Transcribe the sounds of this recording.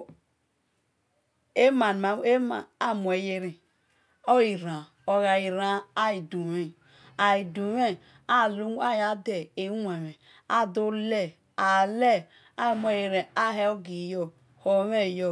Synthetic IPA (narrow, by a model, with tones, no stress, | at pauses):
e˦ma˨n˨a˨˦e˦ma˨a˦˨mu˨e˨je˦ɾi˨ | o˦i˨ɾã˨ | o˨ɣa˨ji˨ɾa˨˦a˦i˨du˨we˦ | a˨i˨du˨˦we˦ | a˦˨lu˦a˦˨ja˨˦de˨e˨˦wʷe˨we˨ | a˦˨du˦le˦˨ | a˨le˦˨ | a˦˨m˦˨e˨˦je˦ɾe˨a˦˨ɦe˦o˦ɡi˨jo˦ | ho˨˦we˦˨jo˦˨